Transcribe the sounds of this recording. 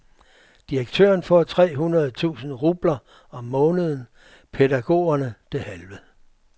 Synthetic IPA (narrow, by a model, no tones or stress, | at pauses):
d̥iʁɐɡ̥̚t͡sʰø̰ːɐnfɒt͡sʰʁɛ̰ːɦunɐð̞̩ˠt͡sʰṵːsn̩ʁuːb̥lɐ | ɒ̽mːɔ̽ːnəð̞ˠən | pʰeɾæɡ̥o̝̰ːɐnəd̥e̝hælʋə